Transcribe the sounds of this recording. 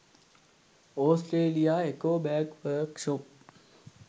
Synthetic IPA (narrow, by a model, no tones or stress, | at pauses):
oːsʈɾeːlijaekoːbɛːkʋəɾkʃop̚